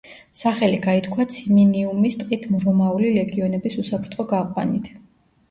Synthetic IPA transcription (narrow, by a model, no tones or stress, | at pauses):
saχɛliɡait̪ʰkʰwat̪sʰiminiumist̪ʼqʼit̪ʰmɾɔmaulilɛɡiɔnɛbisusapʰɾt̪ʰχɔɡaqʼwa̰nit̪ʰ